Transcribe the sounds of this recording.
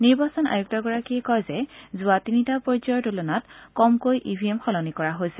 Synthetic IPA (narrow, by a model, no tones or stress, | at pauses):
niɹbasɔna̰juk̚tɔɡɔɹakiɛkɔjzɛzʊatinitapɔɹzɔjɔdulɔnatkɔmkojʔibʱiemxɔlɔnikɔɹaɦojsɛ̥